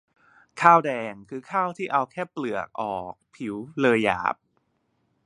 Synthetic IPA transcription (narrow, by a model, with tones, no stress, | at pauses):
kʰaː˥˩wdɛː˧ŋkʰɯː˧kʰaː˥˩wt̪ʰiː˥˩ʔa˧wkʰɛː˥˩plɯ˨˩ək̚ʔɔː˨˩k̚pʰi˩˦wlɤː˧ja̰ː˩˦p̚